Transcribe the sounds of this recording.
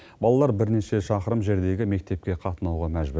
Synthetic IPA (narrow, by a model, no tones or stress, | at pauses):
bɑlˠɑlˠɑɾbɪɾne̞ʃe̞ʃɑqəɾəmʒe̞ɾd̪e̞ɡʲɪme̞k̚t̪e̞p̚kʲe̞qʰɑt̪ənɑwʁɑmæʒbɪ